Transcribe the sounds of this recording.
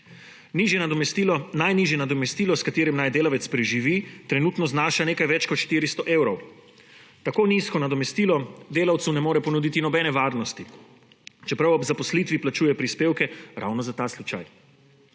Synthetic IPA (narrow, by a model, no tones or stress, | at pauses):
niːʒjɛnad̪ɔmɛst̪ilɔnajniʒjɛnad̪ɔmɛst̪iːlɔskat̪eːɾimnajd̪eːlaʋɛt̪spɾɛʒiʋit̪ɾɛnuːt̪nɔznaːʃaneːkajʋɛt͡ʃkɔt̪ʃt̪iːɾist̪ɔʔeːwɾɔw | t̪akoːniskɔnad̪ɔmɛst̪iːlɔd̪eːlawt̪sunɛmoːɾɛpɔnud̪iːt̪inɔbɛːnɛʋaːɾnɔst̪i | t͡ʃɛpɾawɔbzapɔslit̪ʋiplat͡ʃuːjɛpɾispeːwkɛɾʔa̰wnɔzat̪aslut͡ʃa̰j